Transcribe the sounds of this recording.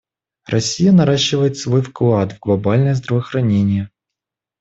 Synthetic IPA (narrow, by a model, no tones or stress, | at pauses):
rʔɐsʲijɐnɐɾaɕːɪvəjɪt̪svojfklˠad̪vɡlˠɐbalʲnəjɛzd̪ɾɐvɐxɾɐnʲenʲɪjə